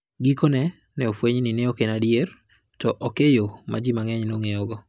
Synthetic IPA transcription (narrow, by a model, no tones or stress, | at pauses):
ɡikonɛ | nɛofweɲninɛokenadjer | tɔʔɔkejomad͡ʒimaŋɛɲnoŋeɔɡɔ